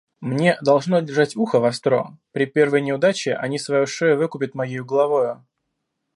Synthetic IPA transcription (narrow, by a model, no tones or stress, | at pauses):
mnʲe̞d̪ɐlˠʐnodʲɪrʐatʲuxəvɐst̪ɾo̞̰pɾʲɪpʲe̞rvəjnʲɪʊd̪at͡ɕɪʔɐ̰nʲisvɐjoʂɛjʊvɨkʊpʲɪt̪mɐjejʊɡəlˠɐvo̞jʊ